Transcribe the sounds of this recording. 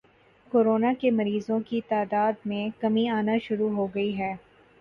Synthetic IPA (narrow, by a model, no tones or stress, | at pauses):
koːɾoːnakemɐɾiːzõkit̪aːd̪aːd̪mẽkɐmiaːnaʃʊɾuɦoɡɐiɦɛː